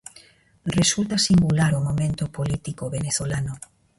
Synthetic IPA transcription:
result̪asiŋɡulaɾomõmẽnt̪opolit̪ikoβeneθolano

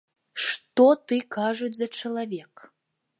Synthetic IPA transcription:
ʂt̪ɔt̪ɨkaʐud͡zʲzɐt͡ʂɐlˠavʲɛk

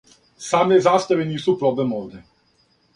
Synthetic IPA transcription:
saːmnezaːst̪aʋiniːsupɾoblemoːʋd̪ɛ

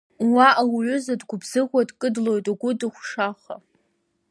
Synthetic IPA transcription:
waʔawʕʷʊzadɡʷʊbz̥ɨʁʷadkʼɨdlo̞jtʼaɡʷʊdɨχʷʂaχʷa̰

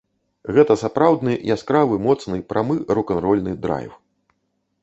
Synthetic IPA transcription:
ɣɛt̪ɐsapɾawd̪nɨʔḭaskɾavɨmɔt̪snɨpɾʔamɨɾukɐnɾɔlʲnɨd̪ɾa̰jw

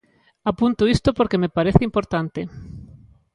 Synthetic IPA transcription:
apunt̪oist̪opoɾkemepaɾeθeimpoɾt̪ant̪e

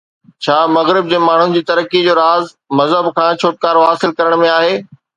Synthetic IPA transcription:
t͡ɕʰaːmɐɣɾɪb̚d͡ʑeːmaːɳ̤ũd͡ʑiːt̪ɐɾəkid͡ʑoːɾaːz | mɐzɦəbkʰãːt͡ɕʰoːʈ̚kaːɾoɦaːsɪlkɐɾəɽ̃mẽaːɦeː

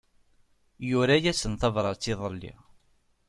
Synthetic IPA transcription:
jʊɾajæsənθɑvɾˤɑɾt͡sːiðˤəlːḭ

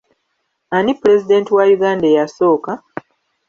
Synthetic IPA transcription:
anipuɾe̞zide̞ːntiwajuɡaːndejaso̞ːka

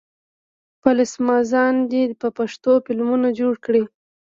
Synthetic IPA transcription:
palɪsmɑzɑnd̪epəpaʂt̪ofɪlmunad͡ʒoɽkɽi

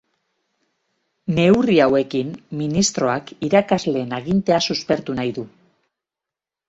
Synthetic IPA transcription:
ne̞uriawe̞kimminist̪ɾo̞akiɾakazle̞ːnaɣint̪e̞asuspe̞ɾt̪unajðu

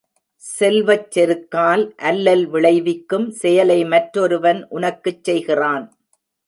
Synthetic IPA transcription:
sɛlʋɐt͡ʃːɛɾɯkːaːlʔɐlːɐlʋɪɭɐɪʋɪkːɯmsɛjɐlɐɪmɐʈɾɔɾɯʋɐnʔʊnɐkːɯt͡ʃːɛjɣɪraːn

